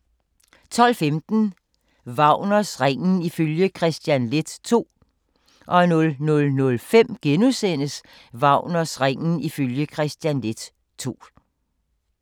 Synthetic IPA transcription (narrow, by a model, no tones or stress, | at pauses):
t͡sʰɒ̽l̰femd̥n̩ | ʋɑ̈ʊ̰nɐsʁeŋ̰n̩iføljəkʰʁɛsd̥jænle̝d̥t͡sʰo̝̰ː | ʔɒ̽nɔ̽lnɔ̽lnɔ̽lfem̰ɡ̥enusen̰əs | ʋɑ̈ʊ̰nɐsʁeŋ̰n̩iføljəkʰʁɛsd̥jænle̝d̥ | t͡sʰo̝̰ː